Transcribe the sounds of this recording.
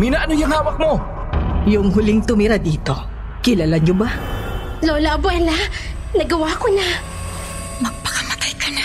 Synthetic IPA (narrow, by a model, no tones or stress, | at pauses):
minaʔɐnojaŋhaːwɐk̚mo | jʊŋɦʊlɪŋt̪ʊmiɾad̪iːt̪o̞ | kɪlalaɲoba | loːlaʔɐbwɛla | nɐɡɐwakona | mɐɡ̚pɐ̥kɐmɐt̪ajkɐna